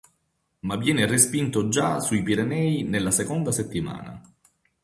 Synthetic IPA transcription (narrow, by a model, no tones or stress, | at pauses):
mavjɛːnerespint̪od͡ʒasuipiɾenɛːinelːasekond̪aset̪ːima̰ːna̰